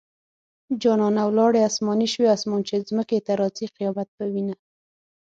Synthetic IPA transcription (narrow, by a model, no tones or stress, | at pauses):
d͡ʒɑnɑnawlɑɽeasmɑniʃweasmɑnt͡ʃezməket̪aɾɑt͡siqɪjɑbat̪̚pəwina